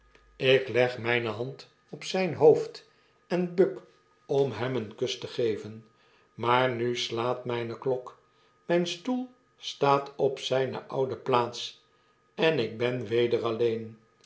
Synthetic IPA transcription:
ɪklɛχmɛjnəɦɑnt | ɔpsɛjnɦowft | ɛnbøk | ɔmɦɛmənkɵstəχejvən | maːɹnyslaːtmɛjnəklɔk | mɛjnstulˠ | staːtɔpsɛjnə̰ʔɑwdəplaːts | ɛnɪɡ̚bɛnʋejdəʁɑlejn

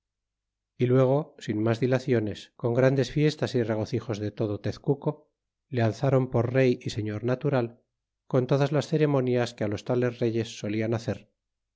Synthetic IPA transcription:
ilwe̞ɣ̞o̞sinmazðilaθjo̞ne̞sko̞ŋɡɾand̪e̞sfje̞st̪asire̞ɣ̞o̞θixo̞zðe̞t̪o̞ð̞ot̪eθkuko̞ | lealθaɾo̞mpo̞ɾre̞jise̞ɲo̞ɾnat̪uɾal | ko̞nt̪oðazlasθe̞ɾe̞mõ̞njaskealo̞st̪ale̞zre̞ʝesːo̞lianaθe̞ɾ

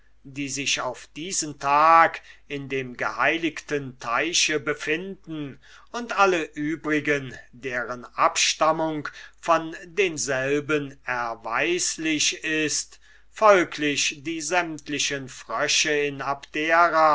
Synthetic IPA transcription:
diːzɪçaʊfd̥iːzəntʰaːkɪndeːmɡəhaɪlɪktəntʰaɪʃəbəfɪndn̩ | ʊntʔaləʔyːbʁɪɡəndeːʁənʔapʃtamʊŋkfɔndeːnzɛlbənɛɐva̰ɪslɪʃɪst | fɔlkʰlɪɕd̥iːzɛmtlɪʃənfʁ̥œʃəɪnapd̥eːɐʁa

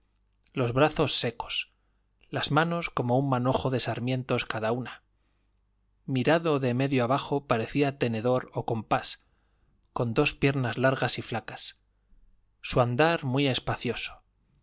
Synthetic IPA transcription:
lo̞zβɾaθo̞sːe̞ko̞̥s | lazmãno̞sko̞mo̞ummano̞xo̞ðe̞saɾmjẽ̞nt̪o̞skaðauna | miɾaðo̞ðeme̞ðjoaβ̞axo̞paɾe̞θiat̪e̞ne̞ðo̞ɾo̞ko̞mpas | ko̞nd̪o̞spje̞ɾnazlaɾɣasiflakḁs | uand̪aɾmwie̞spaθjo̞so̥

